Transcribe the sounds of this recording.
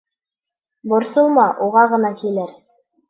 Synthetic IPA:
bŏɾsɤlˠmɑʔuʁɑʁɤ̆nɑkilæɾ

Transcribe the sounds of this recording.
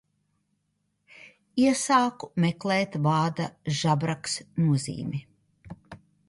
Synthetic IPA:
iɛsaːkumekleːt̪vaːd̪aʒabɾaksnuɔzḭːmi

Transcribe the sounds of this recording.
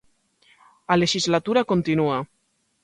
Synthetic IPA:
aleʃizlat̪uɾakont̪inua

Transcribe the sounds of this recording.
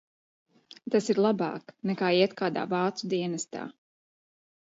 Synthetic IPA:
t̪asiɾlˠabɑ̰ːknɛkaːiɛt̪kaːd̪a̰ːvaːt̪sud̪iɛnast̪a̰ː

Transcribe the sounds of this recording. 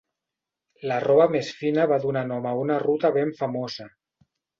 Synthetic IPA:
larɔβamesfinəβaðunanɔməunarut̪əβeɱfamozə

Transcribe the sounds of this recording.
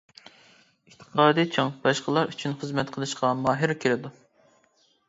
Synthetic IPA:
ɪht̪ʰə̥qʰɑːd̪it͡ʃʰoŋbɑʃqəlˠɑɾyt͡ʃʰynχəzmɛt̪̚qʰəlˠɨʃqɑmɑːɦɨɾkʲʰeɾɪd̪u

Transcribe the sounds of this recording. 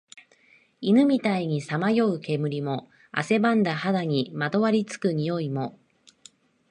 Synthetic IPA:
inɯ̟mʲit̪aiɲ̟isamajo̞ɯ̟ke̞mɯ̟ɾʲimo̞ | a̰se̞bãnd̪ahad̪aɲ̟imad̪o̞βaɾʲit͡sɨ̥kɯ̟ɲ̟ijo̞imo̞

